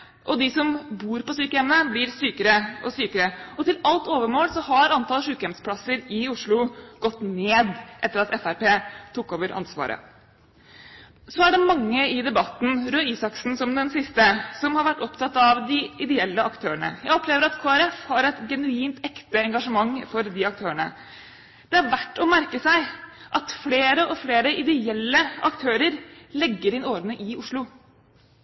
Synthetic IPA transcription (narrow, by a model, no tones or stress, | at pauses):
ʔɔd̪ɪsɔmbuːɾpɔsyːkəɛmnəblɪɾsyːkəɾəɔsyːkəɾəɔt̪ɪlɑlt̪oːʋəmoːlsɔhɑɾɑnt̪ʰɑlʂʉːkəɛmspʰlɑsəɾɪʊʂɭʊɡɔt̪ːneːd̪ʔɛt̪ːəɾɑt̪ɛfæɾpeːt̪ʰʊkːoːʋəɾʔɑ̰nsʋɑ̰ːɾə̰ | sɔæɖɛmɑŋːəɪd̪ɛbɑt̪n̩ɾøːiːsɑksnsɔmd̪ɛnsɪst̪əsɔmhɑɾʋæʈːɔpt̪ʰɑt̪ːɑʋd̪ɪʔɪd̪ɛɛlːəɑkt̪ʰøːəɳə̰jæɪɔpleːʋəɾɑt̪kʰoːæɾɛfhɑɾɛt̪ɡɛnʉiːnt̪ɛkt̪əɛŋɡɑʂəmɑŋːfɔɾd̪ɪɑkt̪ʰøːəɳə̰ | d̪̥ɛæɾʋæʈːɔmæɾkəsæɪ | ʔɑt̪fleːɾəʔɔfleːɾəʔɪd̪ɛɛlːəɑ̰kt̪ʰøːɾəɾlɛɡːəɾɪnoːɾnəʔɪʊʂɭʊ